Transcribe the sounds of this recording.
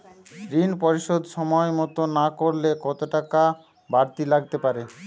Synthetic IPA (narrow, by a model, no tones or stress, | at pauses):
ɡɾinpɔɾiʃod̪ʃɔmɔemɔt̪onakoɾlekɔt̪oʈaka | baɾt̪ilaɡ̚t̪epaɾe